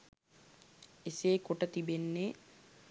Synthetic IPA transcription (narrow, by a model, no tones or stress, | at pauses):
eseːkoʈət̪ibenːe